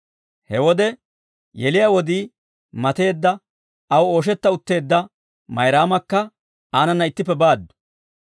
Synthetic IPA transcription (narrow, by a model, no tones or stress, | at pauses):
hɛwɔd̪ɛ | jɛlɪjawɔd̪iː | mɐt̪e̞ːd̪ːɐ | ɐwo̞ːʃ̬ɛt̪ːɐʊt̪ːe̞ːd̪ːɐ | mɐjɾaːmɐkːɐ | aːnɐnːɐɪt̪ːɪpːɛbaːd̪ːʊ̥